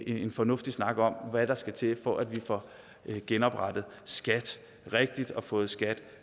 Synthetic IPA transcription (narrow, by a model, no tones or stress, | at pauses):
enfɒ̽nɔ̽fd̥isnɑ̈ɡ̥əɒ̽m̰ʋæɾ̥ɑ̈sɡ̥æt͡sʰe̝fɒʔæd̥ʋifɒ | ɡ̥enɒ̽b̥ʁɑd̥ð̞̩ˠ | sɡ̥æd̥ | ʁɛɡ̥̚d̥id̥ɒ̽fɔ̽ːð̞̩ˠsɡ̥æd̥